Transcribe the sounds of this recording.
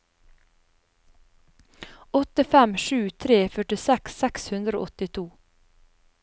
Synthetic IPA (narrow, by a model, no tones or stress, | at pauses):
ɔt̪əfɛmʃʉːt̪ʰɾeːfœʈɪsɛksɛkshʉnd̪ɾo̰ːʔɔt̪ɪt̪ʰuː